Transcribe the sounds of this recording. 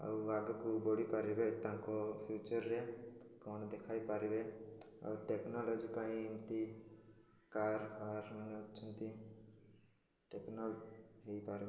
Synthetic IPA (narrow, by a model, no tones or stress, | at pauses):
ə̰aɡkubɔɽipaɾibet̪ãkopʰjuːt͡ʃəɾːɛ | kɔːnd̪ekʰaːipaɾibe | ɔ̰ʈeknɔlɔːd͡ʒipaːĩɪmt̪i | kaːɾaɾməneʊtːʃʰənt̪i | ʈeknɔlɦeipaːɾbe